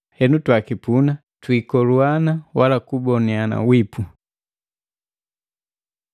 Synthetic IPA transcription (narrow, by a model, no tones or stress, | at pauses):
hɛnutwakipuna | twikɔluanawalakubɔniana̰wipʰu